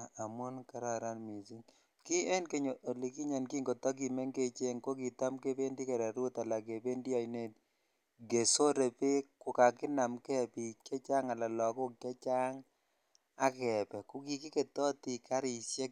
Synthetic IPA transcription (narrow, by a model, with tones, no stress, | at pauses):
a˨a˨mo˦nka˨ɾa˨ɾa˦nmi˨zi˦ŋ | ki˦e˦nke˦ɲo˨ʔo˨li˨ki˦ɲa˨nki˦ŋɡo˨tɔ˦k̬i˨me˦ŋke˦t͡ʃe˦ŋko˦ki˨ta˦mke˦pe˦ndi˦ke˨ɾɛ˨ɾʊ˦ta˨la˨ke˨pe˦ndi˦a˨i˨ne˦˨t̚ | ɡe˨so˦ɾe˨pe˦kʊ˨ka˨kɪ˦na˨mkɛ˦˨pi˨kɛ˦t͡ʃa˦ŋa˨la˨lɔ˨kʊ˦kke˦t͡ʃa˦ŋ | a˦kɛ˨pɛ˨kʊ˨ki˨ki˦ke˨tɔ˦ti˨ka˦ɾi˨se˦k